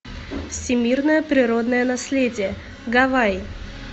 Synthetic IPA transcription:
fsʲɪmʲirnəjəpɾʲɪɾo̞d̪nəjənasʲlʲedʲɪjə | ɡavaj

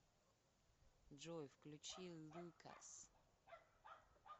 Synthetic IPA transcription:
ʐɔjfklʲʉt͡ɕilˠːukɐ̰s

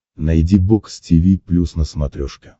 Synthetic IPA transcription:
nɐjdʲiboksʲtʲivʲiplʲusnəsmɐt̪ɾʲoʂkʲɪ

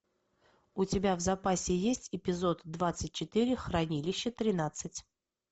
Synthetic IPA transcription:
ʊtʲɪbʲavzɐpasʲɪjesʲtʲɪpʲɪzo̞t̪d̪vat̪sɨt̚ʲt͡ɕɪt̪ɨɾʲɪxɾɐnʲilʲɪɕːət̪ɾʲɪnat̪sɨtʲ

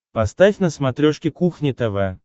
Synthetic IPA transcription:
pɐst̪afʲnəsmɐt̪ɾʲoʂkʲɪkuxnʲɪt̪ɛvɛ

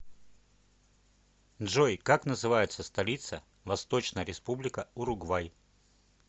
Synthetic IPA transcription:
nʐojkaknəzɨvajʊt̪səst̪ɐlʲit̪sə | vɐst̪ot͡ɕnəjəɾʲɪspublʲɪkəʊɾʊɡvaj

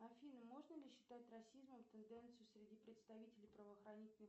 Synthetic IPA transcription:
ɐfʲinɨmo̞ʐnəlʲɪɕːɪ̥t̪at̚ʲrɐsʲizməmt̪ɨnd̪ɛnt̪sɨjʊsɾʲɪdʲipɾʲɪt̪st̪ɐvʲitʲɪlʲɪjpɾəvəːxɾɐnʲitʲɪnə

